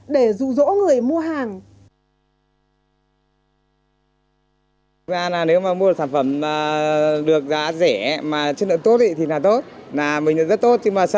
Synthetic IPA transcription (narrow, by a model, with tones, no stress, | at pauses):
ɗe˧˩zṵ˧˨zo̰˧˥ŋɨ˨˩əjmu˧əɦaː˨˩ŋ˨˦ | zaː˧naː˨˩ne˨˦wmaː˨˩˧mu˧˨˩saː˧˩nfə˧˩maː˨˩ɗɨ˨˩ək̚za̰ː˧˥zɛ˧˩maː˨˩t͡ɕːnlɨ̰˧˨ŋt̪o˦˥t̪̚ḭ˧˨˩t̪i˨˩naː˨˩t̪o˦˥t̚naː˨˩mḭ̈˨˩˧zə˦˥t̚t̪o˦˥t̚ɲɨ˧ŋmaː˨˩s